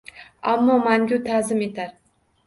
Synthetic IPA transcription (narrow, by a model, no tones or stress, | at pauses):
amːɒmaŋɡʲut̪ʰazɪme̞t̪aɾ